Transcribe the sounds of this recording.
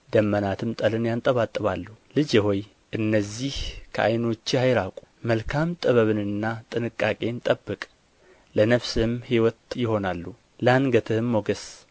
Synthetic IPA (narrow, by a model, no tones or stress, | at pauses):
d̪əmːənat̪ʰɨmt̪ʼəlɨnjant̪ʼəβat̪ʼːɨβalːuhulɨd͡ʒhoj | ʔɨnːəzːihkʰəʔajno̞t͡ʃːhajɾakʼu̥məlkʰamt̪ʼɨβəβɨnɨnːat̪ʼɨnɨkʼːakʼe̞nt̪ʼəbːɨkʼ | lənəfsɨmhiwɔt̪jɪho̞nalːu | ləanɡət̪ʰɨhɨmːoɡəs